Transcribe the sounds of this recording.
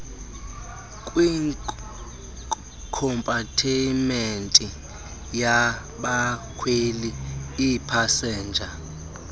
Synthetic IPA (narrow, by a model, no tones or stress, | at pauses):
kʼwi | kʰɔmpʼatʰimentʼi | ja | ɓakʰweliː | pʰasɛːnd͡ʒʱa